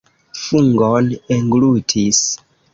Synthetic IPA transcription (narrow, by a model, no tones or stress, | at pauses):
fuŋɡoneŋɡlutʰis